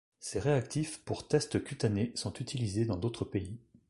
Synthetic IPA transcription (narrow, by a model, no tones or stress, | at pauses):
sɛʁeakt̪ʰifpuʁt̪ɛst̪əkʲyt̪anesɔ̃t̪yt̪ʰilized̪ɑ̃d̪ot̪χəpei